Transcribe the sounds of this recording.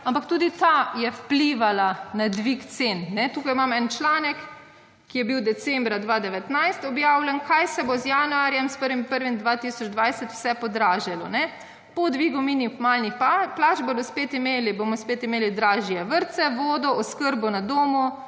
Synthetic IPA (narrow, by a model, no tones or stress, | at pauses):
ampakt̪uːd̪it̪ajɛwpliːʋalanad̪ʋikt̪sennɛt̪uːkajmamɛnt͡ʃlaːnɛkː | ijɛbiwd̪ɛsɛmbɾad̪ʋaːd̪ɛʋɛt̪najst̪ɔbjaːwlʲankʰajsɛbozjanuaɾjɛmspəɾʋimpəɾʋimd̪ʋat̪isɔd͡ʒd̪ʋajsɛt̪w̥sɛpɔd̪ɾaːʒɛlɔnɛ | pɔd̪ʋiːɡuminixmaːlnixplat͡ʃboːd̪ɔspet̪imeːlibomɔspeːt̪imeːlid̪ɾaːʒjɛʋəɾt̪sɛʋoːd̪ɔɔskəɾbɔnad̪oːmu